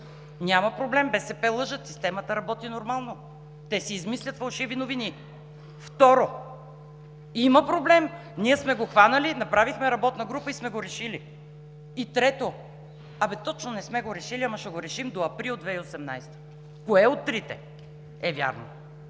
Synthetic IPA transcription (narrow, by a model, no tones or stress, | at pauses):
nʲamɐpɾoblɛmbɛsɛpɛlˠɤʒət̪si̥st̪ɛmət̪əɾɐbɔt̪inoɾmalˠno | t̪ɛsiːzmislʲət̪fɐlˠʃivinovini | ft̪ɔɾo | iməpɾoblɛm | niɛsmɛɡoxvanəlinɐpɾavixmɛɾɐbɔt̪nəɡɾupəismɛɡoɾɛʃili | it̪ɾɛt̪o | ɐbɛt̪ɔt͡ʃnonɛsmɛɡoɾɛʃiliɐmɐʃɛɡoɾɛʃimd̪oɐpɾilˠd̪vɛiosɛmna̰jst̪ə̥ | koɛot̪ːɾit̪ɛ̰ | ɛvʲja̰ɾno